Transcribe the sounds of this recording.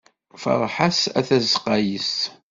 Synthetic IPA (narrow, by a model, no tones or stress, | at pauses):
fɑ̰ɾˤħasæθæzqajəs